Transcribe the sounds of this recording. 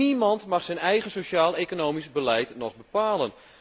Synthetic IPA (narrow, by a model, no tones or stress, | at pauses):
imɑntmɑχsɛnɛjɣənsoʃaːlˠekonoːwmisbəlɛjtnɔχbəpaːlən